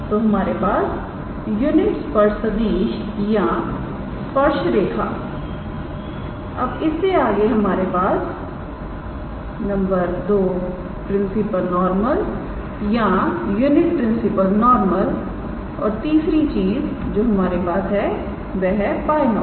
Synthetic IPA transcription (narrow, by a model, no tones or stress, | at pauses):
t̪oːɦɐmaːɾepaːs | juːnɪʈspɐɾsɐd̪iːʃ | jã | spɐɾʃɾeːkʰa̰ː | ɐbɪsːeaːɡeɦɐmaːɾepaːs | nɐ̃mbəɾd̪oː | pɾɪ̃nsɪpəlnɔːɾməl | jajuːnɪʈ̚pɾɪ̃nsɪpəlnɔːɾməl | ɔ̰ːɾt̪iːsɾit͡ʃiːzd͡ʒoːɦɐmaːɾepaːsɦɛ | ʋɛːɦɛpaːjnɔː